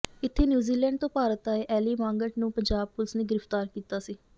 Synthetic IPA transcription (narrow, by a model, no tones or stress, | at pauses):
ɪt̪ʰːeːnjuːziːlɛ̃ːɳɖ̚t̪õːpaːɾət̪aːeʔɛːliːmãːŋɡəʈnũːpəɲd͡ʒaːb̚pʊlɪsnẽːɡɪɾəft̪aːɾkiːt̪aːsiː